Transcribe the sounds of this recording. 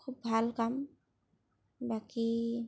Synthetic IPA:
kʰub̚bʱalkam | baki

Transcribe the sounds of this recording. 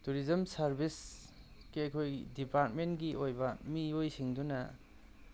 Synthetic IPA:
tuɾizɐmsaɾbʱis | ɡ̥iɐkʰojdipaɾt̚menɡiʔojbɐmiojsiŋdunɐ

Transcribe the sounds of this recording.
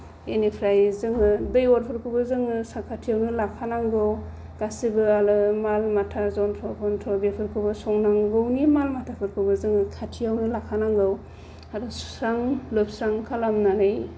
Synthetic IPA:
enipʰɾajzɯŋɯdɯjɔɾpʰɯɾkʰubɯzɯŋɯsakʰatʰijawnɯlakʰːanaŋɡɯw | kasibɯalɯmalmatʰazɔntʰɾɔpʰɔntʰɾɔbepʰɯɾkʰubɯsɔŋnaŋɡɯwnimalmatʰapʰɯɾkʰɯbɯzɯŋɯkʰatʰijawnɯlakʰanaŋɡɯw | aɾɯsu̥sɾaŋlɯp̚sɾaŋkʰalamnanɯj

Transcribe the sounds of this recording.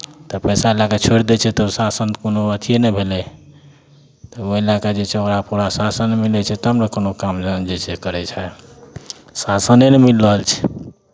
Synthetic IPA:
t̪ɔpɛjsaelakat͡ʃʰoɾd̪et͡ʃʰɛt̪ɔsasənkonoət̪ʰienɛbʱelɛ | t̪ɔoelakad͡ʒet͡ʃʰɛokɾapuɾasasənmilɛt͡ʃʰɛt̪ɔɦəmɾəkonokamd͡ʒənd͡ʒet͡ʃʰɛkəɾɛt͡ʃʰɛ | sasənenemilːəɦəlt͡ʃʰɛ̥

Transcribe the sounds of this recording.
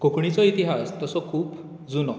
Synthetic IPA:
kokɳit͡sɔit̪iɦast̪əsɔkʰuːp | d͡zunɔ

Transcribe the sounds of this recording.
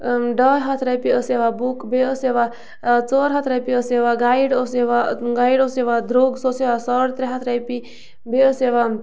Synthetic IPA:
ɖəjɦat̪ʰɾajpiəseʋabukbeəseʋa | t͡sɔɾɦɐt̪ʰɾapiəseʋaɡaiɽəseʋaɡaiɖoseʋad̪ɾoɡsoseʋasɔɽt̪ɾeɦat̪ʰɾajpi | beəseʋa

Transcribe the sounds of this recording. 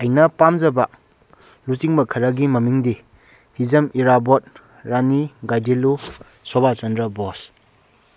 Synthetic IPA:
ɐjnɐpamzɐba | lusiŋbɐkʰɐɾɐɡimɐmiŋdi | hizɐmiɾabɔt̚ | ɾaniɡajdilu | sɔbat͡ʃɐndɾɐbos

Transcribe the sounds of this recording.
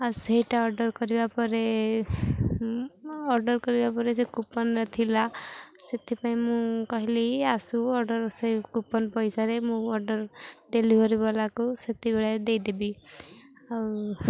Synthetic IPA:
asejʈaɔɾɖɔɾkɔɾibapɔɾe | ɔɾɖɔɾkɔɾibapɔɾesekupɔnɾɔt̪ʰilaset̪ipaĩmũkɔɦileasuɔɾɖɔɾsejkupɔnpɔjsaɾemũɔɾɖɔɾɖeliɦɔɾibɔlakuset̪ibeɭad̪ejd̪ebi | a

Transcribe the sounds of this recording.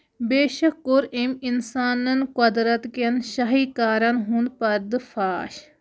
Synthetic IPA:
beːʃɐkːoɾeminsaːnɐnkɐd̪ɾɐt̪kɐnʃɐɦiːkaːɾɐnɦũnd̪pɐɾd̪ɨfʰaːʃ

